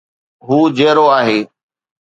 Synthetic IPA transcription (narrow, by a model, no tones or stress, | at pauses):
ɦuːd͡ʑeːɾoaːɦeː